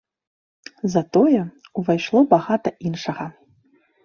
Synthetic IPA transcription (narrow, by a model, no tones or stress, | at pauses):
zat̪ojɛuvajʂlˠobaɣat̪ɐʔinʂɐʁa